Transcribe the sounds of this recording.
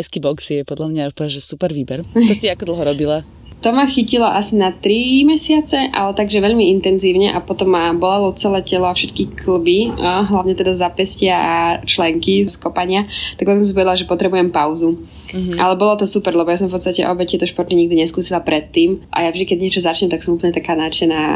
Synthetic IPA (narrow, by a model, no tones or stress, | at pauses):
jskibɔksjɛpɔd̪lamɲapʒɛsupɛɾʋiːbɛɾɔsiakɔd̪l̩ˠɦɔɾɔbila | t̪ɔmaxicilɔʔasinat̪ɾimɛsɪat͡sɛʔa̰lɛt̪aɡʒɛʋɛʎmiint̪ɛnziːʊɲɛʔapɔt̪ɔmːabɔlɛlɔt͡sɛlɛːcɛlɔafʃɛt̪kikʰl̩biɦlaʊɲɛt̪ɛd̪azapɛscɪaʔat͡ʃlɛŋkiskɔpaɲɪat̪aɡpɔtksɔ̃ms̬ivɔɛd̪laʒɛpɔt̪ɾɛbujɛmpawzu | ʔalɛbɔlɔt̪ɔsupɛɾlɛbɔjas̬ɔ̃mfpɔtt͡sst̪acɛ̰ʔɔbɛt̪ːɛt̪ɔʃpɔɾt̪ɲiɲiɡd̪iɲɛskuːsilapɾɛt̪ːiːmʔa̰javʒd̪ikɛd̪ɲɪɛt͡ʃɔzat͡ʃɲɛmt̪aksɔmupl̩ɲɛt̪akaːnat͡ʃɛnaː